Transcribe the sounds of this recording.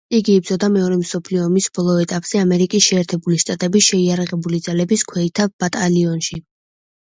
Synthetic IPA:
iɡiːb̚dzɔd̪amɛɔɾɛmsɔpʰliɔːmisbɔlˠɔɛt̪ʼapʼz̥ɛamɛɾikʼisʃɛːɾt̪ʰɛbuliʃt̪ʼat̪ʼɛbisʃɛiaɾaʁɛbulid̪zalɛbiskʰwɛit̪ʰab̥at̪ʼaliɔnʃi

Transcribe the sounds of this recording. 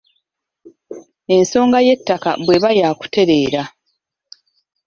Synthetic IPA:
e̞nso̞ːŋɡaje̞tːaka̰bwe̞βajaːku̥te̞ɾe̞ːɾa

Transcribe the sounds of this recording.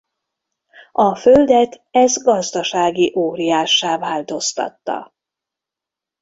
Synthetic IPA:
ɒføld̪ɛt̪ | ɛzɡɒzd̪ɒʃaːɡiʔoːɾijaːʃːaːvaːlt̪o̞st̪ɒ̰t̪ːɒ̰

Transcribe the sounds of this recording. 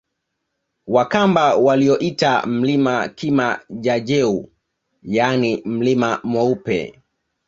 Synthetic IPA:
wakambawaliɔʔitam̩limakimaʄaʄɛu | janim̩limamwɔupɛ̰

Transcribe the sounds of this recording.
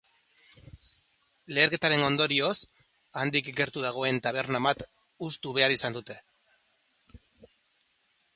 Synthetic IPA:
le̞ːɾke̞t̪aɾe̞no̞nd̪o̞ɾio̞s | and̪ikɡe̞ɾt̪uðaɣ̞o̞e̞nt̪aβ̞e̞ɾnamat̪ | ust̪uβe̞aɾisand̪ut̪e̞

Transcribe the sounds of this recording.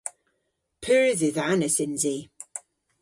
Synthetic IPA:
pʰʉːɹðɪðanəsɪnzi

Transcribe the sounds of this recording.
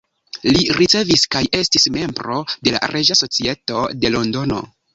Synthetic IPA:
liɾit͡se̞viskaje̞stisme̞mbɾo̞de̞la̰ɾʔed͡ʒaso̞t͡sie̞to̞de̞lo̞ndo̞no̞̰

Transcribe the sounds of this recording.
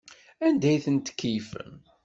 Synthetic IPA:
ænd̪æjθənt̪ə̥kːijfə̰m

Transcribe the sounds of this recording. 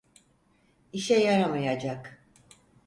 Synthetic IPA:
iʃɛjaɾamajad͡ʒak

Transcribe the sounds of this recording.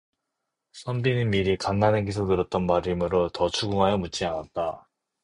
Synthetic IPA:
s͈ʰʌmbinɯmiɾikanːaneɡisʰotɯɾʌt̚t͈ʌnmaɾimɯɾotʌt͡ɕʰuɡuŋɦajʌmut͡ɕ͈ianat̚t͈a

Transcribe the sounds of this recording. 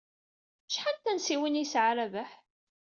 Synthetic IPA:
ʃħant̪ænsiwənjisʕaɾævæħ

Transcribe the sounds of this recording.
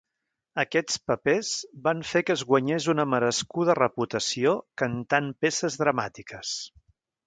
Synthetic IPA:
əkɛt͡spəpez̥baɱfekəːzɣwəɲezunəməɾəskuð̞ərəput̪əsiokənt̪anpesəzðɾəmat̪ikəs

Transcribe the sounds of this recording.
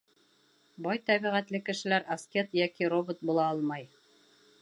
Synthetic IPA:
bɑjt̪æβiʁæt̪lɘkɘ̆ʃɘ̆læɾɐskʲet̪jækiɾobot̪̚bulˠɑɑlˠmɑj

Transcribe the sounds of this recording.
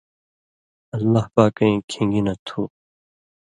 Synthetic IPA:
ɐlːaːɦpaːkɐ̃ĩːkʰĩːŋɡiːnɐt̪ʰuː

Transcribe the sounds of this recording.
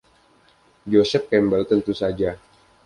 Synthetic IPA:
d͡ʒosɛp̚kɛmbəlt̪ənt̪usad͡ʒa

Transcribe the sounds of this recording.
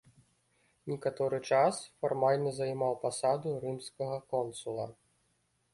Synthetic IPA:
nʲikat̪ɔɾɨt͡ʂasfarmalʲnɐzɐjmawpasad̪uɾɨmskɐɣɐkɔnsulˠɐ̰

